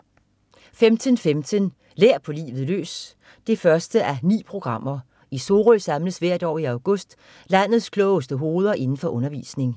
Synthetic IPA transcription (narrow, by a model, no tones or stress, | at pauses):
femt͡sʰənfemt͡sʰən | leɐ̰pʰɒ̽lḭːʋð̩ˠlø̰ːs | d̥e̝fɶɐsd̥əʔænḭːpʰʁo̝ɡ̥ʁɑ̈m̰ɐ | iso̝ːʁœsɑ̈mləsʋæɐ̰d̥ɒ̰ːiɑ̈ʊɡ̥ɔ̽sd̥ | læn̰ð̩ˠskʰlɔʊəsd̥əɦo̝ːð̞ˠɐʔe̝nn̩fɒ̽ʔɔ̽nɐʋḭːsne̝ŋ